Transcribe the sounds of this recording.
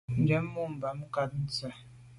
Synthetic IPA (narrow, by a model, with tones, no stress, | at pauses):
n̩˨˦d͡ʒɛ˨˦m̩˦mu˦˨m̩˨ba˨m̩˦ka˨t̚n̩˦t͡sa˨